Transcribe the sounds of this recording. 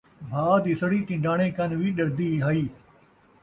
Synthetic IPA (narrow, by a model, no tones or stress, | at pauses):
bʱaːd̪iːsəɽiːʈɪ̃ɳɖaːɽ̃ẽːkənʋiːɗɐɾd̪iːɦaːiː